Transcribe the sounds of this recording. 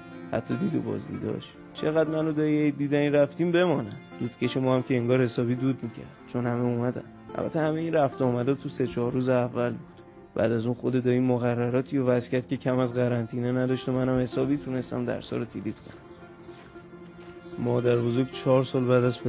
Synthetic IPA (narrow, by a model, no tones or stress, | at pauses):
hæ̰t̪ʰːɒd̪iːd̪o̰bɒ̰ːzd̪ḭːd̪ɒ̰ʃ | t͡ʃʰe̞ɣæd̪mænod̪ɒied̪iːd̪æniɾæft̪iːmbe̞mɒːnæmd̪̥uːd̪̥cʰe̞ʃemɒːhæmcʲeeŋɡɒːɾhe̞sɒːbiːd̪uːd̪miːcʰæ̰ɾd̪̥t͡ʃʰo̞nhæmeumæd̪æ̰m | ʔæ̰lbæ̰t̪ʰːehæmeiːnræft̪ɒːmæd̪ɒt̪ʰuse̞t͡ʃʰɒːɾuːzeævːælbud̪̥ | bæ̰ːd̪æzuːnxod̪e̞d̪ɒːiːmoɣærːæɾɒːt̪ʰiovæzcʰʲæɾd̪̚cʰʲe̞cʰæmæzɣæɾænt̪ʰiːnenæd̪ɒʃt̪omænhæmhe̞sɒːbiːt̪ʰune̞st̪æ̰md̪æ̰ɾsɒ̰ːɾot̪ʰilit̪ʰkʰonæm | mɒːd̪æɾbozoɾɡt͡ʃʰɒːɾsɒːlbæːd̪æzpe